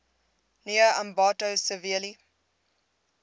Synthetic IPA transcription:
niəɐmbɑːtowsəviəli

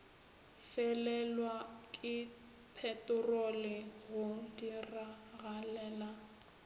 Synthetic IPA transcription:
fɛlɛlwakʼɪ | pʰɛtʼʊrolɪɣʊdiraɣalɛːla

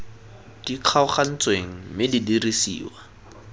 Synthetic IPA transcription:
d̥iq͡χʰaʊχan̩t͡sweŋ̩mɪdidirisḭːwa

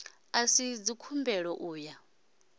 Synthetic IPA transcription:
asid͡zikʰumbɛɺɔʔuːja

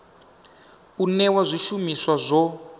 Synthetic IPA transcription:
unɛwazʷiʃumiswazʷɔ

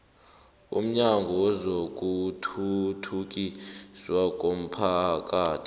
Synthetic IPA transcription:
ṵm̩ɲaŋɡʱɔwɔzok̬ʼutʰutʰuk̬ʼiswak̬ʼom̩pʰak̬ʼaːtʰi̥

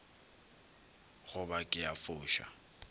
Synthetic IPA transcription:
ɣʊbakʼɪjafʊːʃa̰

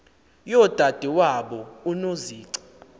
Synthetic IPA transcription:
jɔd̥ʱad̥ʱiwaɓɔunoziːǀi̥

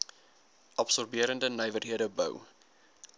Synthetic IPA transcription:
ʔɑpsɔrbiəɾəndənəjvərɦiədəbə̰w

